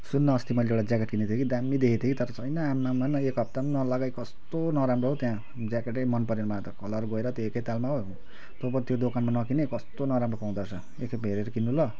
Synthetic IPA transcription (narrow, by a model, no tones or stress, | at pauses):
sunːʌːst̪imʌjleewɽad͡zakeʈkinet̪ʰjokid̪amːid̪ekʰit̪ʰekit̪ʌɾʌt͡sʰʌjnʌamːamanʌekɦʌp̚t̪amnʌlaɡajkʌst̪onʌɾamroɦot̪jã | d͡zakeʈʌjmʌnpʌɾenmʱnat̪ʌkʌlʌrɡʌeɾʌt̪joekʌjt̪almaɦo | t̪obʌt̪jod̪okanmanʌkinekʌst̪onʌɾamropaw̃d̪at͡sʰʌ | ekʰeeɾeɾʌkinːulʌ